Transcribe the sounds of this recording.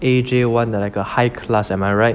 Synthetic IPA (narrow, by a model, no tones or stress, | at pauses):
ed͡ʒewãndɛlaɪkəhaɪkʰlasɛ̃maɪɹaɪt̚